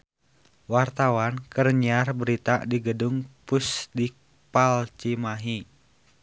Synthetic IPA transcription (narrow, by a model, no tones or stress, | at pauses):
wart̪awankərɲiarbəɾit̪adiɡəduŋpusdik̚ | palt͡ʃimaɦi